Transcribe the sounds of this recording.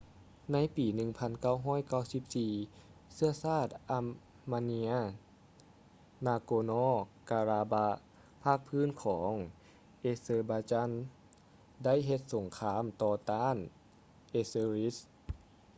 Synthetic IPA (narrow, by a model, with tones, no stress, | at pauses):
na˧˥˨jpiː˨˩˦nɯ˧ŋpʰa˧˥nka˥˩˨wɦɔː˧˥˨jka˥˩wsi˧˥p̚siː˧sɯ˧˥ɐsaː˥˩t̪̚ʔa˧˥ | maː˧ni˧˥ɐ | naː˧koː˧nɔː˧˥˩kaː˧ɾaː˧ba˧˥ | pʰaː˥˩k̚pʰɯː˧˥˨nkʰɔː˩˦ŋ | ʔeː˧sɤː˧baː˧t͡ɕa˧˥˨n | da˥˨jɦe˧t̪̚so˨˩˦ŋkʰaː˧˥˨mt̪ɔː˧t̪aː˧˥˨n | ʔe˧sɤː˧ɾi˦˥s